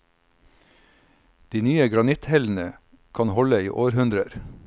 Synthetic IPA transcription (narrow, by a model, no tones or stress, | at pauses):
d̪̥iːnyːəɡɾɑnɪt̪hɛln̩ə | kʰɑnhɔləiːʔoːɾhʉnd̪ɾəɾ